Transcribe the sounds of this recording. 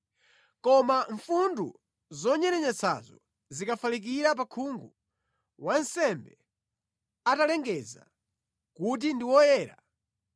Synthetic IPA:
kɔmaɱfundu | zɔɲɛɾɛɲɛt͡sʰa̰zɔ̰ | zikafalik̬iɾap̬akʰuŋɡu | wan̩sɛmbɛ | atalɛŋɡɛza̰ | kut̬indiwɔjɛːɾa̰

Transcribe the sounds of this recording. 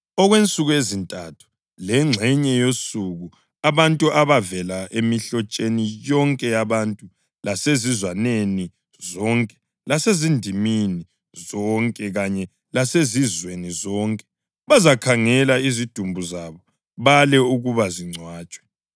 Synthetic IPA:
ɔɣwent͡sʼuɣuezintʼatʰu̥ | lɛŋ͡ǀʱɛɲɛjosuɣu | aβantʼuʔaβavɛlaʔemiɬɔt͡ʃʼenijɔŋkʼɛjaβantʼu | lasezizwaneni | zɔŋkʼɛ̥ | lasezindʱimini | zɔŋkʼɛɣaɲɛ | lasezizwenizɔŋkʼɛ̥ | βazakʰaŋɛlaizid̥ʱumbʱuzaβɔ | βalɛuɣuβaziŋ͡ǀʱwaːt͡ʃʼwɛ̥

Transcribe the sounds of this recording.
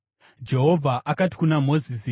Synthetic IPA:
d͡ʒe̞ɦo̞vʱaʔakati̥kunamo̞zis

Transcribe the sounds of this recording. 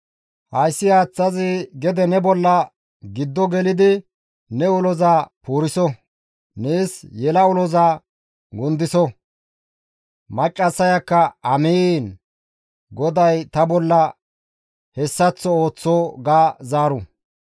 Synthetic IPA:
hɐjsːɪjaːt͡sːɐzɪɡɛd̪ɛnɛbɔlːɐ | ɡɪd̪ːɔɡɛlɪd̪ɪ | nɛʊlɔzaːpuːɾɪsɔ | neːsjɛlɐʊlɔzaː | ɡʊnd̪ɪsɔ | mɐt͡ʃʼːɐsːɐjɐkːɐʔɐmiːn | ɡɔd̪ɐjt̪ɐbɔlːɐ | hɛsːɐt͡sːɔo̞ːt͡sːɔːɡaːzaːɾʊ

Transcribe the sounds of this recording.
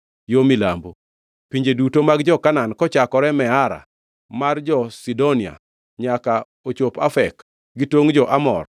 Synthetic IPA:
jomilambo | piɲd͡ʒedutomaɡd͡ʒɔkanankɔt͡ʃakɔɾɛmɛaɾa̰ | mard͡ʒɔsidonia̰ | ɲaka | ot͡ʃopafɛk | ɡitwoŋd͡ʒɔʔamɔ̰r

